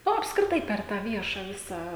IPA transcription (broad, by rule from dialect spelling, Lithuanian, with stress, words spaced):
ˈnʊ ɐpskrʲɪˈtɐɪ ˈpʲɛr tɑː ˈʋʲiɛʃɐ ˈʋʲɪsɑː